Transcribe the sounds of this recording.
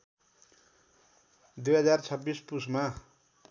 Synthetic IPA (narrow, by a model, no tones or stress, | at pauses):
d̪ujɦʌd͡zart͡sʰʌbːispusma